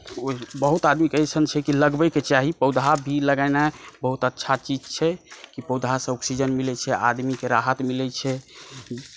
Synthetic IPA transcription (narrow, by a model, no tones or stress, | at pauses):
obəɦut̪ad̪mikəjt͡ʃʰənt͡ʃʰɛkiləɡbəket͡ʃaɦipəwd̪ʱabʱiləɡaɪnabəɦut̪ətːʃʰat͡ʃid͡ʒt͡ʃʰɛkipəwd̪ʱasə̃ɔksid͡ʒənmilɛt͡ʃʰɛʔad̪mikeɾaɦət̪milɛt͡ʃʰɛ